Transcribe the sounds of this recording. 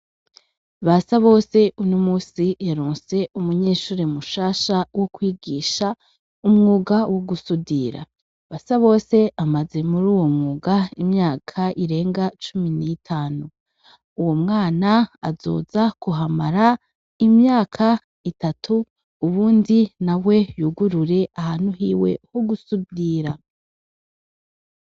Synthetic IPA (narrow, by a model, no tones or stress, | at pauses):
βasaβo̞ːse̞ʔunomuːsijaɾoːnse̞umuɲe̞ːʃuːɾemuʃaːʃawokwiːɡiːʃa | umŋuːɡawoɡusudiɾa̰ | βasaβo̞ːse̞amaze̞muɾuːwo̞mŋuːɡaimɲaːkʰaʔiɾe̞ːŋɡat͡ʃuminitʰaːnu | uwo̞mŋaːnaazo̞̰ːz̥akuɦamaɾa | imɲaːkʰa | itatʰuː | βuːndinawe̞juɡuɾuɾe̞ʔahan̥huɦiːwe̞̰hoɡusudiɾa